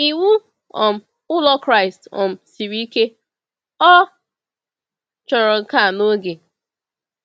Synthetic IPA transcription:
i˨wu˦ | ɔ̰˨m̩˨ | ʊ˦lɔ˦kɾa˦ɪ˨stɔ̰˨m̩˨si˨ɾi˦ke˦ | ɔ˦ | t͡ʃɔ˨ɾɔ˨ŋ̩˨ka˦˨no˦ɡe˨

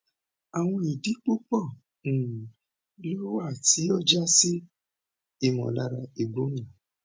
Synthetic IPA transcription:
a˨w̃ɔ̃˧i˨di˨˦k͡pu˦k͡pɔ̃˦˨ | lo˦wa˦˨ti˨˦ɔ˦˨d͡ʒa˦si˦ | i˨mɔ̰̃˨la˦˧ɾa˧i˨ɡ͡bo˨˦ɲã˨

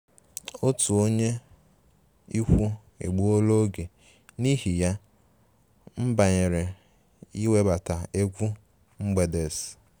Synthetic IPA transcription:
o˦tu˨o˦ɲe˦ | i˦kʷu˦ | ḛ˨ɡ͡bu˦o˦lo˦ɡe˨ | ni˦ɦi˨ja˦ | m̩˦ba˨ɲe˨ɾe˨ | i˦we˦ba˨ta˨e˦kʷu˦ | ŋ͡m̩˦ɡ͡be˨de˨s

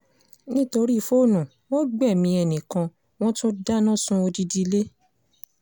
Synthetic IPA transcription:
nĩ˦to˧ɾi˦˧fo˦˨nũ˨ | wɔ̃˦ɡ͡bɛ˦˨mĩ˧ɛ˨nĩ˨kã˧ | w̃ɔ̃˦tũ˦da˦nã˦˨sũ˦o˧di˦di˧le˦

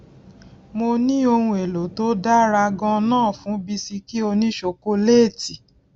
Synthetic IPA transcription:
mo˧nĩ˦o˧hũ˧e˨lo˨˦to˦da˦ɾa˧ɡɔ̃˧nãː˦˨fũ˨˦bi˦si˧ki˦o˧nĩ˦ʃo˧˦ko˦leː˦˨ti˨

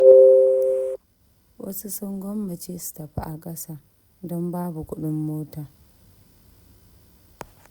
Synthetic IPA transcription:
wɐ̰˦su˦sɔ˦ŋɡʷɔ˦mːɐ˨t͡ʃeː˦su̥˨tɐ˨ɸa̰˦ʔa˨kʼɐ˦saː˦ | dɔ˦mbaː˦bu˨kʷʊ˦ɗʊ˦mːoː˦taː˨

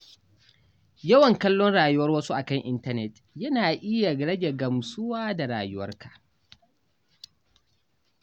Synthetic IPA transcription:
jɐ˦wɐ˨ŋkɐ˦lːɔ˦nɽaː˨jʊ˦wɐ˦rwɐ˦su˦ʔa˨kɐ˦˨ŋʔɪ˦ntɐ˦nɛ˨t | jɐ˦naː˨ʔɪ˦ja˨ɡɽɐ˦ɡe˨ɡɐ˨msʊ˦waː˦da˨ɾa̰ː˨jʊ˦wɐ˦rkḁ˨ʔ

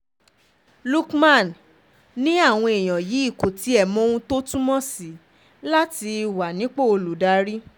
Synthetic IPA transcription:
lu˦kmã˦˨n | nĩ˦a˦˨w̃ɔ̃˧e˨j̃ɔ̃˨ji˨˦i˦˨ko˨ti˨˦ɛ˦˨mɔ̃˨˦ũ˦to˦tũ˦mɔ̃˦si˨˦ | la˦ti˧˨wa˨nĩ˨˦k͡po˦˨o˧lu˨da˧ɾi˦

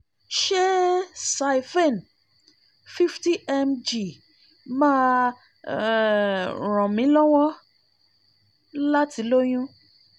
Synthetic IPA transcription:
ʃe˦sa˨˧i˨fe˦˨n | fi˦fti˦ʔɛ˧md͡ʒi˨ | mãː˦ | ɾ̃ɔ̃˨mĩ˨˦lɔ˦w̃ɔ̃˦ | la˦ti˨˦lo˦j̃ũ˦

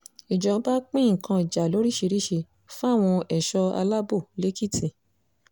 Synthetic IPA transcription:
i˨d͡ʒɔ˨˦ba˦k͡pĩ˦˨kã˧i˨d͡ʒa˨lo˨˦ɾi˦˨ʃe˧ɾi˦ʃe˧ | fũ˦a˦˨w̃ɔ̃˧ɛ˨ʃɔ˧a̰˧la˦bo˦˨le˦ki˦˨tʰi˨

